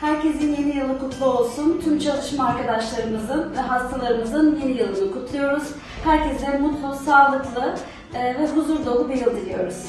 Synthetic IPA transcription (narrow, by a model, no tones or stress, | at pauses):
hæɾcɛsinje̞nijɯlˠːɯkut̪lˠuo̞lˠsunt̪ʰymt͡ʃʰalˠɯʃmaaɾkʰad̪aʃlˠaɾɯmɯzɯnvɛɦast̪ʰalˠaɾɯmɯzɯnje̞nijɯlˠɯnɯkut̪lˠujo̞ɾuz̥ | hæɾcɛzd̪ɛmut̪lˠusaːlˠɯklˠɯ | vɛɦuzuɾld̪ˠo̞lˠubiɾɯlˠd̪ilʲijo̞ɾuz̥